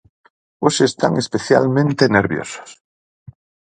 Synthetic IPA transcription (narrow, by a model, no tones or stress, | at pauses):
osest̪a̰ŋespeθja̰lmẽnt̪eneɾβjo̰so̥s